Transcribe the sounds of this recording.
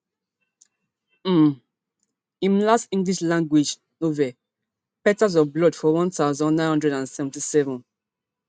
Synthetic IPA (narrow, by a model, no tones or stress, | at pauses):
ĩmlastĩŋɡliʃlãŋɡwid͡ʒ | novɛ | pɛtaz̬ɔvblɔdfɔwɔ̃ntaʊzɔ̃nːãɪnhɔ̃ndɹɛdãnsɛvɛ̃ntisɛvɔ̃n